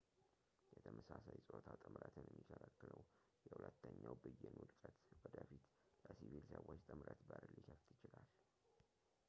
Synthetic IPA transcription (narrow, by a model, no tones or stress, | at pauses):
jɛt̪ʰəmʔəsasajsʼt̪ʰat̪ʼɨmɾət̪ʰɨnjɛmːikʰələkːɨləw | jɛhʊlət̪ːəɲːawbɨjɛnud̪kʼət̪wɔd̪əfit̪ | ləsivilsəwot͡ʃːt̪ʼɨmɾət̪bəɾlikʰəft̪jɪt͡ʃɪlal